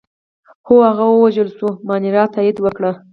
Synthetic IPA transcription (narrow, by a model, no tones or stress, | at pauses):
xoaɣawəwaʒəlsumɑniɾɑt̪ɑid̪wəkɽa